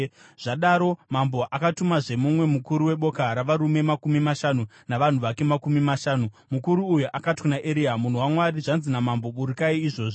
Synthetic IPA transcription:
ʐ̥aɗaɾomambo̞ʔakatumaʐe̞mumwe̞mukuɾuwe̞ɓo̞kaɾaʋaɾume̞makumimaʃanu | naʋan̤uʋake̞makumimaʃaːnu | mukuɾuːjuʔakatkunaʔeɾiamun̤uwamwaɾiʐanzinamambo̞ɓuɾikaiːʐo̞ːʐi

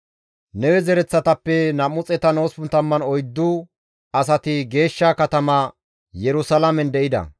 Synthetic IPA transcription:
nɛwɛzɛɾɛt͡sːɐt̪ɐpːɛnɐmʊt͡sʼɛt̪ɐno̞ːspʊnt̪ɐmːɐnɔjd̪ːʊ | ɐs̬ɐt̪ɪɡe̞ːʃːakɐt̪ɐmɐ | jɛɾʊsɐlɐmɛnd̪ɛʔɪd̪ɐ̰

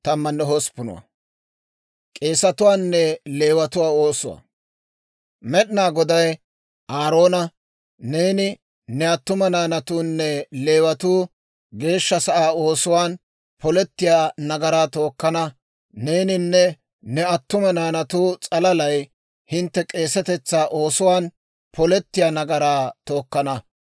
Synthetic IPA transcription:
t̪ɐmːɐnːɛɦospʊnʊ̰wɐ̰ | kʼe̞ːsɐt̪ʊwaːnːɛle̞ːwɐt̪ʊwaːo̞ːsʊwa̰ | mɛɗɪnaːɡɔd̪ɐj | aːɾo̞ːnɐ | ne̞ːnɪ | nɛɐt̪ːʊmɐnaːnɐt̪uːnːɛle̞ːwɐt̪uː | ɡe̞ːʃːɐsɐʔaːo̞ːsʊwaːn | pɔlɛt̪ːɪjaːnɐɡɐɾaːt̪o̞ːkːɐnɐ | neːnɪnːɛ | nɛɐt̪ːʊmɐnaːnɐt̪uːt͡sʼɐlɐlɐj | hɪnt̪ːɛkʼe̞ːsɛt̪ɛt͡sːaːʔo̞ːsʊwaːn | pɔlɛt̪ːɪjaːnɐɡɐɾaːt̪o̞ːkːɐnɐ

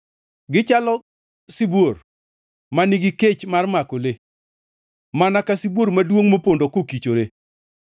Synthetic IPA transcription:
ɡɪt͡ʃalɔ | sibor | maniɡiket͡ʃmarmakole | manakasibwoɾmadwoŋmopondokokit͡ʃoɾe

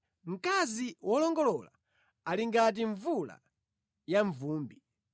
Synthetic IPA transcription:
m̩kaziwʔɔlɔŋɡɔlɔla̰ | aliŋɡat̬iɱvula̰ | jaɱvuːmbi

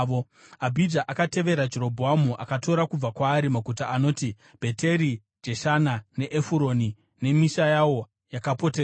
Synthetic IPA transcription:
o | abʱid͡ʒaʔakate̞ʋe̞ɾad͡ʒeɾo̞bʱoamuʔakato̞ɾakub͡vakwaːɾimakutaʔːno̞ːti | b̥ʱe̞te̞ɾi | d͡ʒe̞ʃanane̞ʔefuɾo̞ni | ne̞miʃajawo̞ | jakapo̞ter

